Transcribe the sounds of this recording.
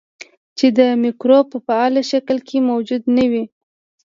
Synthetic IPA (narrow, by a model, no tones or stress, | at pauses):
t͡ʃed̪əmikɾopəfaɑlaʃaklkʰemawd͡ʒud̪nawi